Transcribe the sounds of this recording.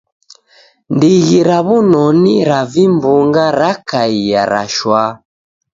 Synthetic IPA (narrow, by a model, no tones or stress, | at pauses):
ndiɣiɾaβunɔniɾavimbuŋɡaɾakaijaɾa̰ʃwa